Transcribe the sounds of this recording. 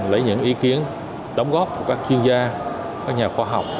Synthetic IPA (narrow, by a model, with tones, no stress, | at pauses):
lə˨˦jɲɨ̰˧˥ŋʔi˨˦ki˨˦ən | ɗə˨˦wŋ͡mɣɔ˦˥p̚ku˧˩əkaː˦˥k̚t͡ɕwi˧ənzaː˧ | kaː˦˥k̚ɲaː˨˩xwaː˧ɦa˨˩wk͡p̚